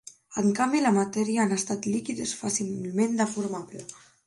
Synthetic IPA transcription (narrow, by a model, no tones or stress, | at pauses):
əŋkambilamat̪ɛɾiaanəst̪at̪likiðesfasimmend̪afuɾmaβlə